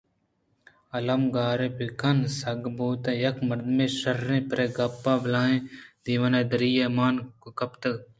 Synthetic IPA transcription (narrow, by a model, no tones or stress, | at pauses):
ɐlɐmɡaːɾẽːpikɐnsɐɡbuːt̪ẽːjɐkmɐɾd̪mẽːʃɐɾːẽːpɾeːɡɐpːaːblaːɦẽːd̪iːʋɐnẽːd̪ɐɾijemaːnkkɐpt̪ɐɡ